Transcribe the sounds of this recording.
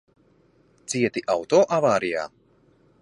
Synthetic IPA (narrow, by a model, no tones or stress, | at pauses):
t̪siɛt̪iʔawt̪ɔːʔavaːɾija̰ː